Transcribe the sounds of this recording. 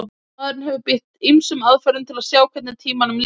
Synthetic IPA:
ðɾɪnhɛvʏpɪht̪imsʏmaðfœɾʏnt̪ʰɪlaðsjaːwkʰvɛt̪nɪt̪ʰiːmanʏml

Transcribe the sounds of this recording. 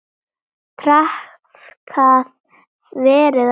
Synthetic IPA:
pʰɾah | kʰaːð | vɛːɾɪð

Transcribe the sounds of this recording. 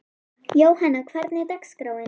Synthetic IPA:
jowhanakʰv̥aɾt̪nɛt̪akskɾowɪn

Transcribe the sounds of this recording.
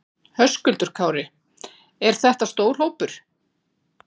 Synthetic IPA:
hœskʏlt̪ʏɾ̥kʰaːwɾɪ | ɛɾ̥θɛht̪ast̪oːwɾloːwpʏɾ̥

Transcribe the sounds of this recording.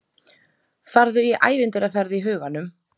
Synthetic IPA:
faɾðʏiʔa̰ːjvɪnt̪ɪɾafɛɾðɪiɦœːɣanːʏm

